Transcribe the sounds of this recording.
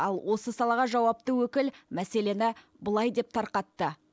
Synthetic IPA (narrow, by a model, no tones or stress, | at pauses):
ɑlˠwʔo̞səsɑlˠɑʁɑʒɑwɑp̚t̪əwɵkʲɪlmæse̞le̞nɪ | bəlˠɑjd̪e̞p̚t̪ʰɑɾqɑt̪ːə